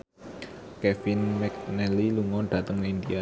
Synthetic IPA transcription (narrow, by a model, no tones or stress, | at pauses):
kɛfinmɛk̚nɛliluŋɔɖ̪̥ä̤t̪əŋind̪ia